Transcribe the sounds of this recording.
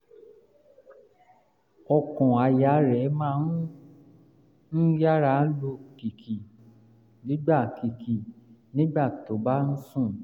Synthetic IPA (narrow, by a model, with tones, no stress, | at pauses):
ɔ˧kɔ̃˨a˨ja˨˦ɾɛ˨˦mãː˦n˦ | n̩˦ja˦ɾa˦lo˧ki˨kʰi˨ | nĩ˨˦ɡ͡ba˦˨ki˨kʰi˨nĩ˦ɡ͡ba˦˨to˨˦ba˦n̩˦sũ˦˨